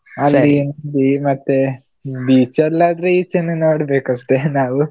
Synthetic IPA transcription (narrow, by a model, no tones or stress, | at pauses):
ɐlːinond̪imɐt̪ːe | biːt͡ʃɐɾlaːd̪ɐɾeiit͡ʃinːɐnoːɽɐbeːkɐʂʈenaːʋu